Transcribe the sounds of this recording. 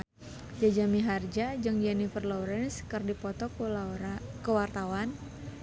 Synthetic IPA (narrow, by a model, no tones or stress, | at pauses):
d͡ʒad͡ʒamiɦard͡ʒad͡ʒɨŋd͡ʒɛnifərlɔɾɛnskərdipɔt̪ɔk | kəwart̪awan